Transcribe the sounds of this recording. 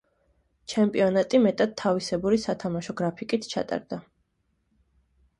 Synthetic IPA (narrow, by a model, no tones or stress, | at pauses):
t͡ʃʰɛmpʼiɔnat̪ʼimɛt̪ʼad̪̚t̪ʰːavisɛbuɾisat̪ʰamaʃɔɡɾapʰikʼit̪ʰt͡ʃʰa̰t̪ʼa̰ɾd̪̥a